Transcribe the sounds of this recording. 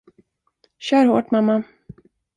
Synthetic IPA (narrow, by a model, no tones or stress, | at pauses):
ɕœːɾho̰ːʈmamːa